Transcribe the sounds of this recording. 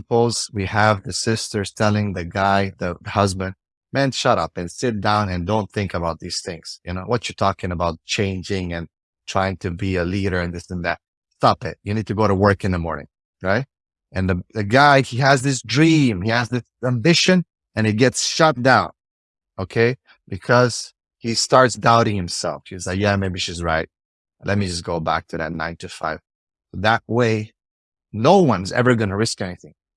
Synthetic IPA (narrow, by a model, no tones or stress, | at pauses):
əpʰoʊz̥wiəvðɨsɪstə˞stʰɛlˠɪ̃ŋðɨɡaɪðɨhʌzbɨ̃nd̚ | mæ̃nʃʌɾʌ̰pɨ̃nsɪt̚d̥ãʊ̃nɨ̃ndõʊ̃nθɪ̃ŋkəbaʊt̪̚ðiz̥θɪ̃ŋz̥jɨnoʊwʌt͡ʃə˞tʰɔkɪ̃ŋəbaʊt̚t͡ʃʰẽɪ̃nd͡ʒɪ̃ŋɨ̃n | tʰɹ̥aɪɪ̃ŋtʰɨbiɨliɾə˞ɨ̃nðɪsɨ̃nðɨ̰t̚ | stɑpɪ̰t̚jɨnid̚tʰɨɡoʊɾəwɜ˞kɨ̃nðəmɔ̰ɹnɪ̰̃ŋ | ɹaɪt̚ | ʔɨ̃nðɨðɨɡaɪiɨzðɪs̬dɹĩmiɨzðɪsæ̃mbɪʃɨ̃n | ɨ̃ñɨt̚ɡ̥ɛtsʃʌt̚d̥ãʊ̃n | oʊkʰeɪ | b̥ɨkʰʌz̥ | histɑɹtsd̥aʊɾɪ̃ŋhɨ̃msɛ̰lˠfʃizlaɪkjæmeɪbiʃizɹaɪt̚ | lɛ̰t̚mid͡ʒʌsɡ̥oʊbæ̰k̚tʰɨðɨ̰tⁿnã̰ɪ̃ntʰɨfa̰ɪv̥ | soʊðəʔ̚weɪ | noʊwʌ̃nzɛ̰və˞ɡʌnəɹɪskɛniθɪ̃ŋ